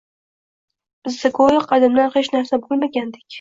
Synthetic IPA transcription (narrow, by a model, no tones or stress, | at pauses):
b̥ɪzːɪkʰojɪqʰɑd̪ɪmlanχet͡ʃnaɾsabolˠmaɡʲand̪ɪ̥kʲ